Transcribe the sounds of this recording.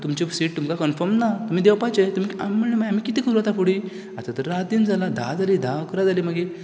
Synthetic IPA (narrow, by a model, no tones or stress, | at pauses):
t̪umt͡ɕesiʈ̚t̪umkakənfəɾmnat̪um̤iːd̪ɛwpat͡ɕet̪um̤iaməɳemaamiːkit̪iːkəɾuat̪apuɽiː | at̪at̪əɾːat̪iːnd͡zalad̪ʱa̰d͡zaliːd̪ʱakəɾad͡zaliːməɡi